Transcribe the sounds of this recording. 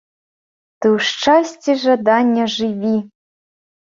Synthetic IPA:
t̪ɨwʂʈ͡ʂasʲt͡sʲiʐɐd̪anʲːɐʐɨvʲi

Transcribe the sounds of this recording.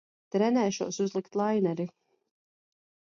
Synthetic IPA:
t̪ɾɛnɛːʃuːsuzlˠikt̪lˠajnɛɾi

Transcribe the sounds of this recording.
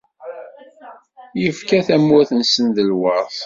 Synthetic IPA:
jəfkæθæmːʊθənsənðəlwɑɾˤθ

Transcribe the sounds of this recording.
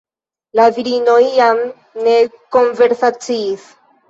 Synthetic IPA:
laviɾinojːam | ne̞ko̞nve̞ɾsat͡siːs

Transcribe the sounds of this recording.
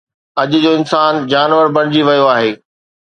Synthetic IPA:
ɐʄʊd͡ʑoːɪnsaːnd͡ʑaːnʋəɾbɐɽ̃d͡ʑiʋɐjoaːɦeː

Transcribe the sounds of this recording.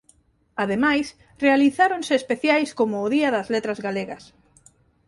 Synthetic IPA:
aðemajs | realiθaɾonsɪːspeθjajskomʊːðiɐðɐzlet̪ɾɐzɣaleɣɐs

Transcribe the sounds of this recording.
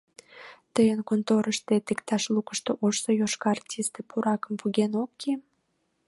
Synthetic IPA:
t̪əjənkont̪oɾəʃt̪et̪ekt̪ɑʃlukə̥ʃt̪oʔoʃsojoʃkɑɑrtʲist̪epuɾɑkəmpuɣenokːe

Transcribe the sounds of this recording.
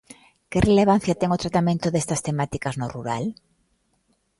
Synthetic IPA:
kɪreleβ̞an̟θjat̪ɛŋot̪ɾat̪amẽnt̪ʊðest̪ɐst̪emat̪ikɐznoruɾal

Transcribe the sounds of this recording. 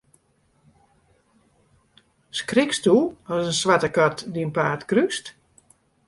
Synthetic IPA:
skrɪkstuɔsənswatəkatdiənpaːtkryst

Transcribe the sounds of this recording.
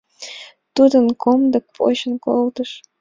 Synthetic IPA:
t̪ud̪ənkomd̪ɤ̆k̚pʼo̰ɕə̆nkolˠd̪əʂ

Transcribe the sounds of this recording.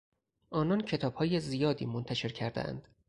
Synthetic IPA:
ʔɒːnɒncʰe̞t̪ʰɒːb̥hɒːjezijɒːd̪ḭːmont̪ʰæʃe̞ɾcʰæɾd̪ḛʔæ̰nd̪̥

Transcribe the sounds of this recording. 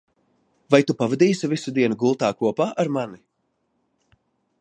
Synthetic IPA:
vajt̪upavad̪iːsivisud̪iɛnuɡulˠt̪aːkuɔpaːʔaɾmani

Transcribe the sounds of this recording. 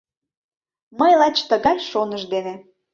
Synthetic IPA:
məjlɑt͡ɕt̪əɣɑjʃonəʃd̪ene

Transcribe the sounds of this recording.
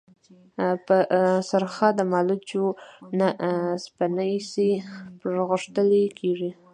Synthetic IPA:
pəsaɾxɑd̪əmɑlut͡ʃonaspanajsipɣəʂt̪əlekʰeʐi

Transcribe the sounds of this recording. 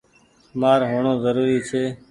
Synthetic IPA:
maːɾɦoːɳõːzəɾuːɾiːt͡ʃʰeː

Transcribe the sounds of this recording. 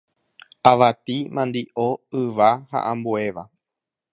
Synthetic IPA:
aʋat̪imãnd̪iʔoɨʋaha̰ʔãmbue̞ʋa

